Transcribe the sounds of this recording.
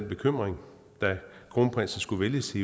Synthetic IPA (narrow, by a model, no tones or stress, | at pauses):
nb̥e̝kʰøm̰ʁeŋ | d̥æɡ̥ʰʁonpʰʁḭsn̩sɡ̥uʋeljəse